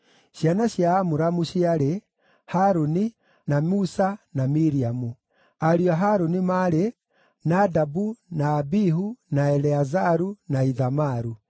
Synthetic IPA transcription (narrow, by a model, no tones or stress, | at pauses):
ʃianaɕiaːmuɾamuɕiaɾe | haɾoni | namusanamiɾiamu | aɾiaɦaɾonimaɾe | nadabunaːbiɦunaɛlɛazaɾunaiðamaɾu